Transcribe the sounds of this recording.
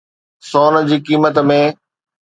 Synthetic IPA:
soːn̆d͡ʑiːkiːmət̪mẽ

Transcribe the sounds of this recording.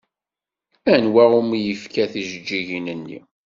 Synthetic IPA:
ænwæumijəfkæθiʒəd͡ʒːiʝinənːḭ

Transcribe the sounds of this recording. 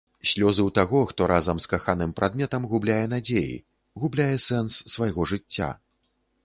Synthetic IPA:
sʲlʲɔzɨwt̪aɣɔxt̪ɔɾʔazɐmskaxanɨmpɾad̪̚mʲɛt̪ɐmɣublʲajɛn̪ad͡zʲejḭ | ɣublʲajɛsɛnsːvajɣɔʐɨt͡sʲːa̰

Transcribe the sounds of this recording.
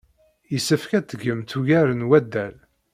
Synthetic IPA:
jəsːəfkæt̪ːəɡəmt̪uʝæɾənwæd̪ːæl

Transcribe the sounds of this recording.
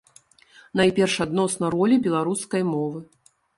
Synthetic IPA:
najpʲɛrʂad̪nɔsnɐrɔlʲibʲɛlˠaɾuskɐjmɔvɨ

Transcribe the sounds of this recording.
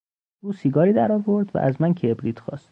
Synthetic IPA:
uːsiːɡɒːɾiːd̪æɾɒːvo̞ɾd̪væ̰ʔæzmæncʰebɾiːt̪xɒ̰ːst̪

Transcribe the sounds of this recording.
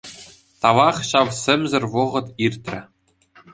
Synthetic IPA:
t̪ɑʋɑχɕɑʋsʲɘ̆mʲzɘ̆rʲʋɤ̆ʁɤ̆t̪irʲt̪ʲrʲɘ̆

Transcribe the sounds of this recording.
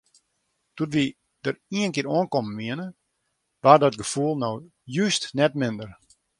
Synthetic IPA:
tutʋi | dəriənkɪːɾoənkɔmənʋiənə | ʋardɔt̚ɡəfulˠnow | jystnɛtmɪndər

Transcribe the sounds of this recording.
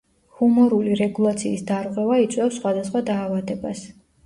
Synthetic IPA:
humɔɾuliɾɛɡulˠat̪sʰiːsd̪aɾʁwɛvait̪sʼwɛfsːχwad̪asχwad̪aːvad̪ɛbas

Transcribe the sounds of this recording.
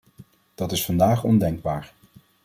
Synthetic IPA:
d̥ɑtɪsfɑndaːχɔndɛŋɡ̚baːɹ

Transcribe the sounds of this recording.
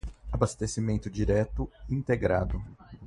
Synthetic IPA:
abast̪esimẽnt̪ʊd͡ʒiɾɛt̪ʊĩnt̪eɡɾad̪ʊ

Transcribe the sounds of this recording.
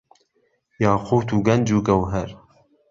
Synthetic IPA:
jɑːqʰoːt̪uːɡɐnd͡ʒuːɡɐwɦɛɾ

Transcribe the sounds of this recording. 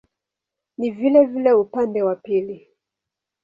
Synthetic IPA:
nivilɛvilɛupandɛwapili

